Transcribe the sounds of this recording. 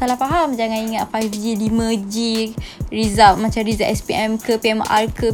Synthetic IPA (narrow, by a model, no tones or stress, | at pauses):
alahpaɦamd͡ʒaŋãniŋat̪pafd͡ʒilimə̃d͡ʒiɾizap̚mat͡ʃamɾizaʔɛspiɛmkəpiɛmʔa̰rkə